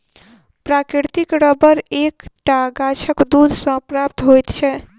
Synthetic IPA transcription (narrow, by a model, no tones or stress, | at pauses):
pɾakɾiɾt̪ikɾəbəɾekʈaɡat͡ʃʰəkd̪ud̪ʱsə̃pɾapt̪ɦojt̪t͡ʃʰɛ